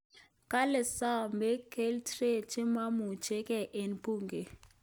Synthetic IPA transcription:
kʼa˦lɛ˨sa˦mɛ˦kʰe˦ltre˦˨t͡ʃʼi˦ma˦mu˨t͡ʃʰʼɛ˦kʼɛ˦˨ʔe˨npʼuː˨ŋɡɛ˨

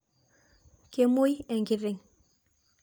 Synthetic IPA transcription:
ke˨mo˦jɛ˨ŋɡi˨ɾe˨ŋ

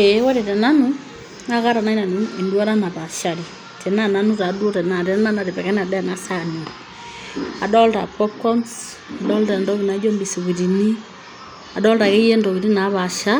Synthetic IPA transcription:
e˨˦wɔ˦ɾe˨tɛ˨na˦nu˦ | na˦ka˦ɾa˨na˦i˦na˨n˦e˨ndwa˦ɾa˦na˨pa˨ʃa˨ɾi˨ | tʰɛ˨na˦˨na˨nu˦ta˨do˦tɛ˨na˨tɛ˨ɛ˦na˦na˨ɾe˨pɛ˨kɛ˦na˨dɛ˦˨na˦sa˦˨ni˨ | a˨dɔ˦lta̰˨pɔ˦p̚kɔ˦ns | a˨dɔ˦lta˨ndɔ˦ki˨na˦d͡ʒo˦mbi˨si˨ki˨ti˨ni˦ | a˨dɔ˦lta˨ke˦je˦ndɔ˨ki˨ɾi˦na˨˦βa˨ʃa˦

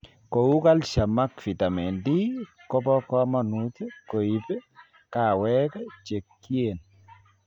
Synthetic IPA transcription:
ko˨u˦ka˦lʃa˨ma˦kfi˨ta˨mɛ˨ndi˦kɔ˦pɔ˦kɔ˦mɔ˨nu˦tko˨i˨p | ka˨wɛ˦kt͡ʃe˨kːje˨n

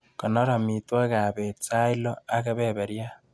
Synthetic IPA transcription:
ko˨no˦ɾa˨mi˨twa˦ɣa˨βet͡sa˦i˦lo˦a˦ɣa˦βeβe˨ɾja˦

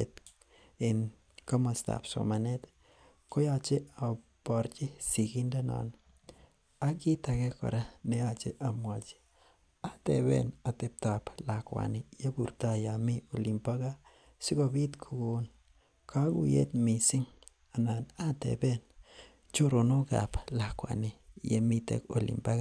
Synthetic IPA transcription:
e˨t̪ | ɪ˨n | ka˦ma˨st̪a̰˨pso̰˨ma˨ne˦t̪ | ko˦ja˧t͡ʃe˦a˨ | ba˨ɾt͡ʃi˦si˨ki˦nda˦na̰˨n | a˦ki˦t̪a˨ke˦ko̰˨ɾa˦ne˨a˧t͡ʃe˦ʔa˨mwa˨t͡ʃi̥˦ | a˦t̪e˨bḛ˦na˨t̪e˨p̚t̪a˨pla˨kʷa̰˨ni˨ja˦bu˨ɾt̪a˧ja˨mi˦o˨li˨mpa˦ɡa˦ | si˦ɡo˧bi˦t̪kʰu˧˨ɡo˧n | kʰa˦ɡṵ˦jḛ˦t̪mi˧si˦ŋ | a˨na˨na˦t̪ḛ˨be˦n | t͡ʃo˦ɾo˨no˦ɡa̰˨pla˨kwa̰˨ni˨jḛ˧mi˦t̪ḛ˨ko˨lḭ˨mpa˦ɡa˦

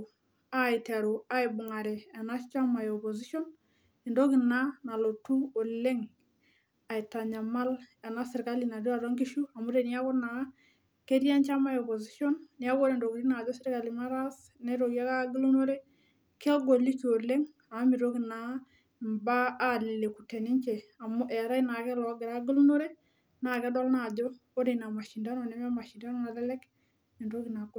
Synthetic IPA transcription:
a˦ɪ˨ta˨ɾu˨a˦ɪ˨bʊ˨ŋa˨ɾɛ˨a˨na˦t͡ʃa˦ma˨jɔ˨pɔ˨zi˦ʃɔ˦n | i˨ndo˦kɪ˨na˦na˨lo˨tu˦o˨le˦ŋ | a˨jta˨ɲa˨ma˦la˨na˦sɪ˨ɾka˦li˨na˨du˦a˨ɾɔ˦ŋɡi˦ʃu˦a˨mu˦ɾe˨ni˦a˦kɔ˦na˨˦ | ke˦ɾja˦nt͡ʃa˦ma˦jɔ˨pɔ˨zi˦ʃɔ˦nnia˦ko˦ɾe˨ndo˨ki˨ɾi˦na˨d͡ʒɔ˦sɪ˦ɾka˨li˨ma˦ɾa˦s | nɛ˦ɾo˨kja˦ka˦ɡɪ˦lu˦no˦ɾe˦ | ke˦ɡo˨li˦ko˨le˦ŋ | a˨˦mi˨ɾo˦ki˨na˨ | mbaː˦lɪ˨le˨ku˨tɛ˨nɪ˦ɲt͡ʃe˨a˨mʊ˦ʔɛ˨a˨ɾa˦i˦na˨kɛ˦lɔ˨˦ɡɪ˨ɾa˦ɡɪ˦lu˦no˦ɾe˦ | na˨kɛ˦dɔ˦lna˨d͡ʒɔ˦o˦ɾe˨na˨ma˨ʃi˨nda˦nɔ˨nɛ˦m˦a˦ma˨ʃi˨nda˦nɔ˦na˨lɛ˦lɛ˦k | e˨ndo˦ki˨na˨ɡ

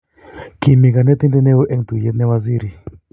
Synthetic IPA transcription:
ki˨mi˨ka˨ne˦t̪i˦nd̪i˦ne˦o˦ʔɛ˦ŋt̪u˨je˦t̪̚nɛ˦wa˧zi˦ɾi˨

